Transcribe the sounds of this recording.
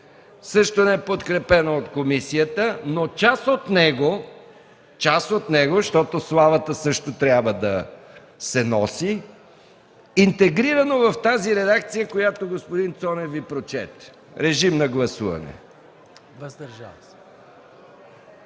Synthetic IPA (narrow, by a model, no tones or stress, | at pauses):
sɤʃt̪onɛɛpot̪kɾɛpɛnoot̪komisijət̪ənot͡ʃasot̪nɛɡo | t͡ʃasot̪nɛɡoʃt̪ɔt̪oslˠavət̪əsɤʃt̪ot̪ɾʲabvəd̪ɐ | sɛnɔsi | nt̪ɛɡɾiɾɐnovɐft̪aziɾɛd̪akt̪sijəkojat̪oɡospod̪int̪sɔnɛvipɾot͡ʃɛt̪ | ɾɛʒimnɐɡlˠɐsuvɐ̰nɛ̰ | vɐzd̪ɐɾʒas